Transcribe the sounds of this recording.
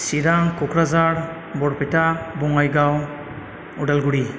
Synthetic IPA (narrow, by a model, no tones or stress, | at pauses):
siɾaŋkɔkɾazaɾ | bɔɽpɛtabɔŋajɡaw | udalɡuɽi